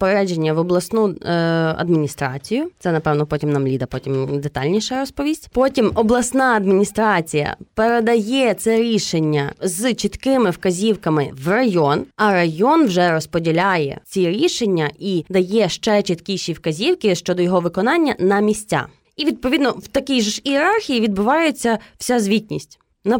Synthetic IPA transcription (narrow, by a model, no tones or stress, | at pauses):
peɾɾɛd͡ʒenʲːɐʋɔblˠɐsnu | ɐ̰d̪mʲinʲist̪ɾɑ̰t͡sʲijʊt̪sɛnɐpɛwnɔpɔtʲimnɐmlʲid̪ɐpɔtʲimd̪et̪ɑlʲnʲiʃɐɾɔspɔʋʲisʲtʲpɔtʲimɔblˠɐsnɑɐd̪mʲinʲist̪ɾɑt͡sʲijɐ̰peɾed̪ɐjɛt̪sɛɾʲiʃenʲːɐzt͡ʃit̪kɪmɪwkɐzʲiwkɐmɪwrɐjɔnɐɾɐjɔnwʒɛɾɔspɔdʲilʲajɛ̰t͡sʲiɾʲiʃenʲːɐid̪ɐjɛʃt͡ʃɛt͡ʃit̪kʲiʃʲiwkɐzʲiwkʲɪʃt͡ʃɔd̪ɔjɔɦɔʋɪkɔnɑnʲːɐnɐmʲisʲtt͡sʲa̰ | iʋʲid̪̚pɔʋʲid̪nɔwt̪ɐkʲijʒʃiɛɾɑrxʲijiʋʲid̪̚bʊʋɑjet͡sʲːɐw̥sʲazʲʋʲitʲnʲisʲtʲ | nɐ